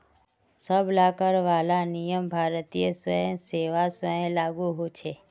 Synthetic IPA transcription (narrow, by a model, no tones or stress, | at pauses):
səbʱlakəɾʋalanijəmbʱaɾt̪ijesəẽseʋasəẽlaɡuɦũt͡ʃʰe